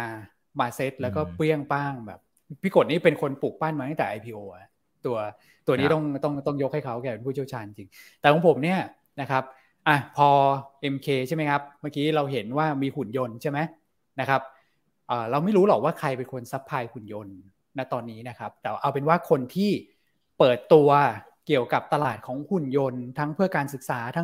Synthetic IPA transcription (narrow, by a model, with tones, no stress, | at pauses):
a˧ | maː˧se˦˥t̪̚lɛː˦˥wkɔː˥˩pɯ˥˩əŋpaː˥˩ŋbɛ̰ː˨˩p̚ | pʰiː˦˥˩ko˨˩t̪̚niː˥˩pe˧nkʰo˧npuː˨˩k̚baː˥˩nma˧˦j̪a˥˩t̪ɛː˨˩ʔa˧jpʰiː˧ʔoː˧ʔa˨˩ | t̪u˧ɐ | t̪u˧ɐniː˦˥t̪ɔ˥˩ŋt̪ɔ˥˩ŋt̪ɔ˥˩ŋjo˦˥k̚ha˥˩jkʰa˦˥wkɛː˨˩pe˧npʰuː˥˩t͡ɕʰi˥˩ə˩t͡ɕʰaː˧nt͡ɕːi˧ŋt͡ɕi˧ŋt̪ɛː˨˩kʰɔ˨˦ŋpʰo˩˦mni˥˩ɐ | na˦˥kʰa˦˥p̚ | ʔa˧˩pʰɔː˧ʔe˧mkʰeː˧t͡ɕʰa˥˩ma˦˥jkʰa˦˥p̚maː˧˩kiː˦˥ɾa˧wɦe˩˦nwaː˥˩miː˧hu˨˩njo˧nt͡ɕʰa˥˩ma˦˥j | na˦˥kʰa˦˥p̚ | ʔəː˨˩ɾa˧wma˥˩jɾuː˦˥lɔː˨˩k̚waː˥˩kʰa˧jpe˧nkʰo˧nsa˦˥pʰːaː˧jhu˨˩njo˧nː | a˦˥t̪ɔː˧nːiː˦˥na˦˥kʰa˦˥p̚t̪ɛː˨˩a˦ʔa˧wpe˧nwaː˥˩kʰo˧nt̪ʰiː˥˩ | pɤː˨˩t̪ːu˧ɐ | ki˨˩əwka˨˩p̚t̪a˧laː˨˩t̪̚kʰɔː˩˦ŋkʰu˨˩njo˧nt̪ʰa˦˥ŋpʰɯ˥˩ɐkaː˧nsɯ˨˩k̚saː˩˦t̪ʰa˦˥